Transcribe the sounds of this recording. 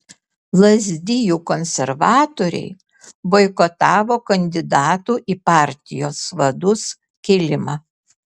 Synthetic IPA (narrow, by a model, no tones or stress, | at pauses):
lˠɐzʲd̪ʲɪjuːkɔnʲsʲɛɾʋɑːt̪oːɾʲɛ̰ɪ | ʋɔɪkɔt̪ɑːʋoːkɐnʲd̪ʲɪd̪ɑːt̪uːʔiːpɑˑɾʲt̪ʲɪjoːsʋɐd̪ʊs | kʲɛːlʲɪmɑː